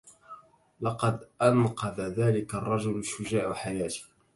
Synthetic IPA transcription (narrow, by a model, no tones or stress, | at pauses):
lɑqɑd̪ʔanqɑðaðaːlɪkarˤːɑd͡ʒʊlʃʊd͡ʒaːʔaħajaːt̪ɪ̥